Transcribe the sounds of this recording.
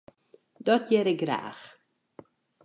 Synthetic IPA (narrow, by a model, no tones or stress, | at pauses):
dɔtjeɾəɡɾa̰ːχ